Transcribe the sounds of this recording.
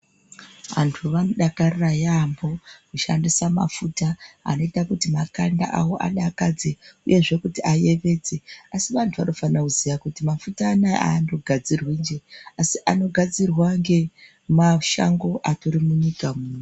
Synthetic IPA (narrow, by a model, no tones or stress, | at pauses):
ʋa̰ntʰuʋanoɗakarrajambo̞kuʃa̰ndisama̰futa̰ːno̞itakutimakanda̰ʔawo̞ʔa̰ɗakad͡zeuje̞ʐe̞kutiʔaje̞ʋe̞ːd͡ze̞asiʋantʰuʋano̞fanakuzijakutimafutaːnaa̰ːndo̞ɡʱad͡zirwiːnd͡ʒe̞asiʔano̞ɡʱad͡zirwaŋɡe̞ | maʃa̰ŋɡo̞ʔatoɾimuɲikamuːno